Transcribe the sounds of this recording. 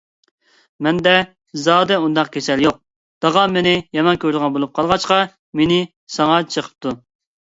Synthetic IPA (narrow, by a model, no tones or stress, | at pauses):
mɛnd̪ɛ | zɑːd̪ɛund̪ɑqkʲʰesɛljoq̚ | d̪̥ɑʁɑmenɪjɛmɑnkʲʰøɾd̪əʁɑnbolˠup̚qʰɑlˠʁɑt͡ʃqɑ | menɪ | sɑŋɑt͡ʃʰəqʰə̥p̚t̪ʰu